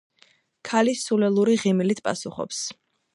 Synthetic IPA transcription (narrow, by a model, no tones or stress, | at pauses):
kʰalisulɛlˠuɾiʁimilit̪ʰpʼa̰suχɔ̰ps